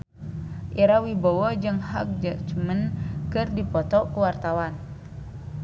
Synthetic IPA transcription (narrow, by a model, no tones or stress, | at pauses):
ʔiɾawibɔwɔd͡ʒɨŋhak̚d͡ʒad͡ʒmənkɨrdipɔt̪ɔkuwart̪awan